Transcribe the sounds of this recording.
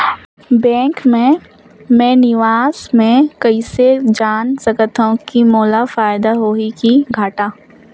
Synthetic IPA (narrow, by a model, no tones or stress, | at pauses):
bɛ̃ːŋkmẽ | mẽnɪʋaːzmẽkɐised͡ʒaːnsɐkət̪ʰõkimoːlafaːɪd̪aɦoːikiɡʱaːʈaː